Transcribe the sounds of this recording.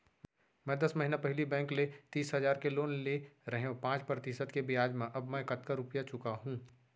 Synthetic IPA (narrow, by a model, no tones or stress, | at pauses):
mɛ̃ːd̪ɐsmɐɦinapɛɦlibɛ̃ːŋklet̪iːsɦɐzaːɾkeloːnleɾɐɦẽõpãːt͡ʃpɾɐt̪ɪsəd̪kebɪjaːd͡ʒmẽʔɐbmɛ̃kət̪kaɾʊpjat͡ʃʊkaɦũː